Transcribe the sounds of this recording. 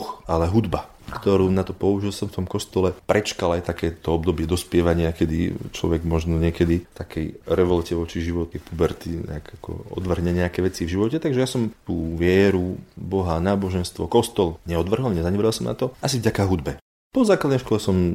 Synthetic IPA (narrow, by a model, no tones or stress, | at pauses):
xalɛɦud̪ba | kt̪ɔɾuːnat̪ɔpɔuʒilˠsɔmft̪ɔmkɔst̪ɔlɛpɾʔɛt͡ʃkalajt̪akɛːt̪ɔɔb̚d̪ɔbɪɛd̪ɔspɪɛʋaɲɪakɛd̪ḭt͡ʃlɔ̰ʋɛɡmɔʒnɔɲɪɛkɛd̪ift̪akʰɛjɾɛʋɔlcɛʋɔt͡ʃiʒiʋɔt̪ɛpubɛɾt̪iɲɛ̰akakɔ̰ɔ̰d̪ʋr̩ɦɲɛɲɛakɛʋɛt͡sivʒiʋɔcɛt̪aɡʒɛjasɔmt̪uːʋɪɛɾubɔɦanaːbɔʒɛnst̪ʋɔkɔst̪ɔlɲɛɔd̪ʋr̩ɦɔlɲɛzaɲɛʋɛɾɛlsɔmna̰t̪ɔʔasivɟakaɦud̪bɛ | pɔzaːklad̪nɛjʃkɔlɛsɔm